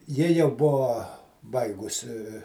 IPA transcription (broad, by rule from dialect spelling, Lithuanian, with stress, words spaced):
ˈjɪ jɛʊ ˈbʊʋoː ˈbɐɪɡʊsʲɪ